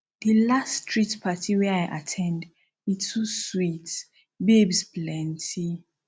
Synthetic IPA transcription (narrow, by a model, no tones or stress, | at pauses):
ðəlastɹitpʰatʰiwɛajʔa̰tʰɛ̃nd | witʰuswits | bebsplɛ̃ntʰi